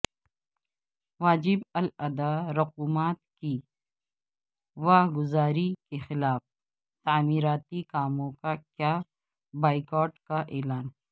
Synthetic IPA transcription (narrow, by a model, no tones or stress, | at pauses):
ʋaːd͡ʒɪbɐlɐd̪aɾʊquːmaːt̪̚ki | ʋaːɡʊzaːɾikexɪlaːf | t̪aːmiːɾaːt̪ikaːmõkakjaː | baːɪkɔːʈkaʔeːlaːn